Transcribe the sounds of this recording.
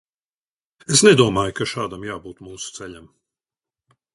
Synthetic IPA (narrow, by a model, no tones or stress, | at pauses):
esnɛd̪uɔmaːjkaʃaːd̪amjaːbuːt̪muːsu̥t̪sɛʎʲam